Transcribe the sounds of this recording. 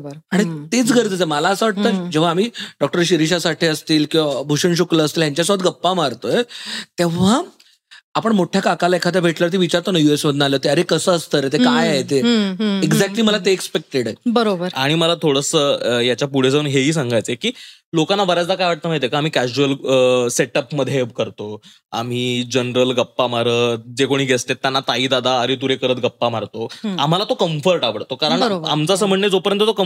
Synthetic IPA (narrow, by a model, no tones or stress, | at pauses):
bəɾaɽ̃it̪et͡sɡʱəɾd͡z̪ət͡seməlaəsəʋaʈ̚t̪əd͡ʑeʋ̤aːmiːɖɔk̚ʈəɾɕiɾiɕasaʈʰiːəst̪iːlkĩʋabʱuɕəɳɕ̬ukləːst̪iːljaɲt͡ɕjasɔət̪ɡəpːamaɾt̪ojet̪eʋ̤aː | pəɳmoʈʰjakakalaekʰad̪jabʱeʈləɾt̪iːʋit͡ɕaɾt̪onajuesməd̪ʱnəaleɦot̪eəɾekəsəəst̪əɾet̪ekajajt̪eeɡd͡zæk̚ʈliːməlat̪eekspek̚ʈeɽebəɾobəɾaɽ̃iməlat̪ʰoɽəsəjat͡ɕjapuɽesəunɦeɦiːs̬aŋɡʱajt͡sekiːlokanːaʋəɾjat͡slakajʋaʈ̚t̪əmaɦit̪ekaam̤iːkæd͡ʑuələseʈəpməd̪ʱːjebkəɾt̪o | a̰m̤iːd͡ʑənɾəlɡəpːamaɾəːd͡zekoɽ̃iːɡʱest̪et̪ːjanːat̪aiːd̪ad̪ʱaːɾit̪uɾekəɾət̪ɡəpːamaɾt̪oam̤alat̪okəmfəɾʈaʋəɽt̪okaɾəɳɾa̰mt͡saːsəm̤əɳned͡zopəɾjənt̪ət̪okə